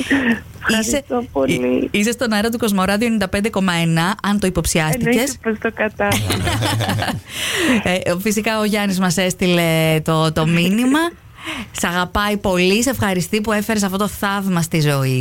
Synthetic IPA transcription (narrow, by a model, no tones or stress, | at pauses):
fiset̪opoliisest̪o̞nɐɾɐt̪̬uko̞zmo̞ɾɐðioenind̪ɐpend̪e̞ko̞mɐenɐʔɐnt̪o̞ipo̞psiɐst̪ice̞spest̪okɐt̪ɐ | fisikɐoʝɐnizmɐse̞st̪ile̞t̪ot̪o̞minimɐ | sɐɣɐpɐipo̞lise̞fxɐɾist̪ipue̞feɾes̬ɐfto̞t̪oθɐvmɐst̪izo̞i